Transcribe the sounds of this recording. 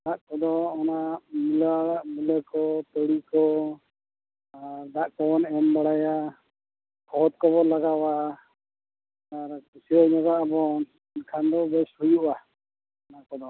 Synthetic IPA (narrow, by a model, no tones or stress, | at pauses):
d̪aʔkɔd̪ɔɔnaʔmilwaɽaʔmiləkɔt̪ɔɽikɔ | aɾd̪aʔkɔbɔnɛmbaɽaja | bʰɔt̪̚kɔβɔlaɡawaʔa | aɾkusiɔʔɲɔɡaʔabɔn | nkʰand̪ɔbɛshujuʔa | ɔnaʔkɔd̪ɔ